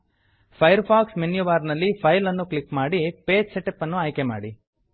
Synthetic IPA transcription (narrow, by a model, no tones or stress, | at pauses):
pʰɐjɐɾpʰaːksmenjuʋaːɾnɐlːipʰɐjlɐnːuklikmaːɽipeːd͡ʒseʈepːɐnːuaːjkema̰ːɽi